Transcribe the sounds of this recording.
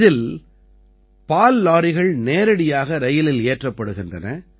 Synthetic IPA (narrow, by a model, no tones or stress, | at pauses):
ðɪl | paːlːaːɾɪɣɐɭneːɾɐɽɪjaːɣɐɾɐjɪlɪleːʈrɐpːɐɽɯɣɪndrɐnɐ